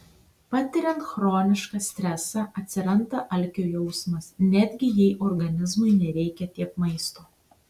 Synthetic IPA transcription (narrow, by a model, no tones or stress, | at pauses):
pɑt̪ʲɪɾʲɛnt̪xɾoːnʲɪʃkɑsʲt̪ʲɾʲɛsɑʔɐt̪ʲsʲɪɾɐnd̪ɐʔɐlʲkʲoːjɛʊsmɐsnʲæd̪ʲɡʲɪjɛɪʔɔɾɡɐnʲɪzmʊɪnʲɛɾʲɛɪkʲɛt̪ʲiɛpmɐɪst̪oː